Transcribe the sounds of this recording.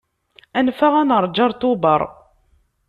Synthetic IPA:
ænfaʁænəɾˤd͡ʒɑɾˤt̪ʊbəɾˤ

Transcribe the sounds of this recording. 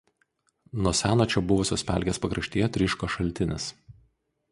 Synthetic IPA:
nuɔsʲæːnoːt͡ʃʲɛbʊʋʊsʲoːspʲæ̰ˑlʲɡʲeːspɐkɾɐʃʲt̪ʲiːjɛt̪ʲɾʲɪʃkoʃɐlʲˑt̪ʲɪnʲɪ̰s

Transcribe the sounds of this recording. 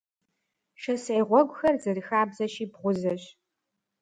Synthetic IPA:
ʃɐseʁʷɔɡʷʊxɐrzɐrɨxaːbzɐɕiːbʁʷʊzɐɕ

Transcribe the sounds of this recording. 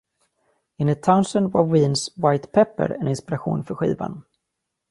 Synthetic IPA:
ɪnət̪ʰaʊnsənvaɾwiːnswajt̪pʰɛpːə̰ɾɛnɪnspɪɾaɧṵːnfœɾɧḭːva̰n

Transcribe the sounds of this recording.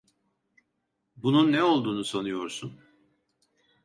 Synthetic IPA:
bununːɛo̞lˠd̪uːnusanujo̞ɾsun

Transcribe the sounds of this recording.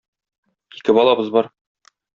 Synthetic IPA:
ikɘbɒlˠɑbɤzbɒɾ

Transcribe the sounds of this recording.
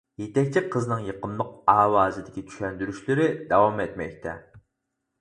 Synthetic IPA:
jet̪ɛkʲt͡ʃʰiqʰəznɨŋjeqʰəmlˠʊq̚ɑːwɑːzɨd̪ɪkʲit͡ʃ̪ʰy̥ʃɛnd̪yɾyʃlɪɾɪd̪ɑwɑmet̪mɛ̰k̚ʲt̪ʰɛ̰

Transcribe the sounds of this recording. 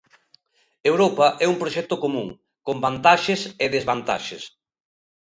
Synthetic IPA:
ewɾopɐʔɛumpɾoʃɛk̚t̪okomũŋ | kombant̪aʃeseðezβant̪a̰ʃes

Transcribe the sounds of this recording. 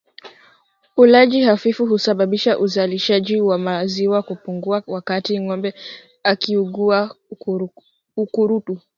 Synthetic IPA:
ulaʄihafifuɦusaɓaɓiʃaʔuzaliʃaʄiwamaziwakupuŋɡuawakatiŋɔmbɛ | akiuɠua | ukuɾutu

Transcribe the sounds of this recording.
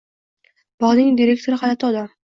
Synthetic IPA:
bɒʁnɪŋd̪ʲiɾe̞k̚t̪ʰoɾɪχad̪at̪ʰɒd̪a

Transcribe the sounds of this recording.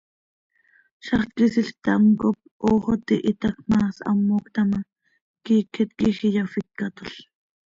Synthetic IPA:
ʃɑχt̪kisiɬt̪ɑmkop̚ʔoːχot̪iʔit̪ɑkmɑːsɑ̰mːoːkt̪ɑmɑ | kiːkʰet̪kixijɑfikːat̪oɬ

